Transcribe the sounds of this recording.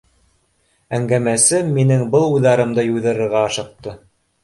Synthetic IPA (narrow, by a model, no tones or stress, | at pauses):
æŋɡæmæsɘmːinɘŋbɤlˠujðɑɾɤ̆md̪ɤjujðɤ̆ɾɤ̆ɾʁɑːʃɤ̆q̚t̪ɤ